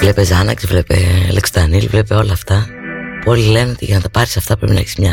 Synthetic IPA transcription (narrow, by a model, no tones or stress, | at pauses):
vle̞pe̞zɐnɐkzvle̞pe̞̰lekst̪ɐnilvle̞pe̞o̞lɐːft̪ɐpuo̞lile̞neo̞t̪ḭʝɐnɐt̪ɐpɐɾisɐft̪ɐpɾe̞pinɐeçi̥smɲɐ